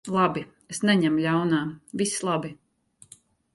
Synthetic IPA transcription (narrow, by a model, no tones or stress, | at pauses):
lˠabi | esnɛɲɛmʎʲawnaːvislˠabi